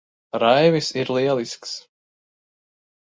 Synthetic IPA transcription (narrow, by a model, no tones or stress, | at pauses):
ɾajvisiɾlˠiɛlˠisks